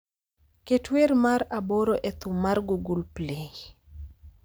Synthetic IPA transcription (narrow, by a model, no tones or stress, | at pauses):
ketweɾmaɾaboɾoʔet̪umːarɡuɡulpleŋ